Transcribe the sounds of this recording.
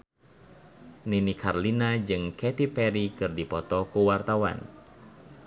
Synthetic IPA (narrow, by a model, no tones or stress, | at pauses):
ninikʰarlinad͡ʒɨŋkɛt̪ipɛɾikɨrdipɔt̪ɔkuwart̪awa̰n